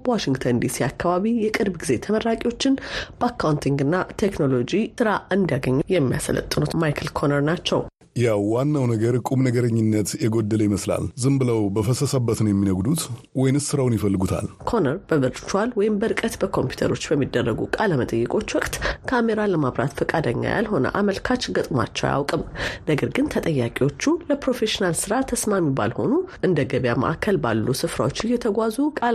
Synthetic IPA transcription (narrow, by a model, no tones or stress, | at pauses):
bəwaʃɪŋɡt̪ʰənd̪isiakʰːaβaβijɛkʼɨɾbɡize̞t̪ʰəməɾːakʼiwo̞t͡ʃːɪnb̥əakʰːawnt̪ʰiŋɡɨnːat̪ʰe̞kno̞lo̞d͡ʒisɨɾaʔɨnd̪jaɡəɲːujɛmːija̰sə̰lə̰t̪ʼːɨnut̪majkʰəlkʰo̞nəɾnat͡ʃːɛ̰w | jawwanːawnəɡəɾkʼumnəɡəɾəɲːɪnːət̪jɛɡod̪ːələjiməsla̰lzɨmbɨləwbəfəsəsəbːət̪nəwjɛmːinəɡd̪ut̪wɔjɪnɨssɨɾawnjɪfəlːɨɡut̪ʰa̰lkʰo̞nəɾbəvɨɾt͡ʃwalwɔjɪmbəɾɨkʼət̪bəkʰo̞mpju̥t̪ʰə̰ɾo̞t͡ʃːbəmːid̪ːərːəɡṵkʼaləmət̪ʼəjːɛkʼo̞t͡ʃːwɔkʼt̪kʰame̞ɾaləmaβɾa̰t̪fɨkʼad̪əɲːa̰ja̰lɦo̞nə̰ʔaməlkʰat͡ʃːɡət̪ʼma̰t͡ʃːɛwja̰wkʼɨmnəɡəɾɡɨnt̪ʰət̪ʼəjːakʼiwo̞t͡ʃːuləpɾo̞fe̞ʃinalsɨɾat̪ʰəsmamiba̰lho̞̰nuʔɨnd̪əɡəβjamə̰ʔakʰːəlba̰lːusɨfɾawot͡ʃːɪjɛt̪ʰəɡʷazukʼal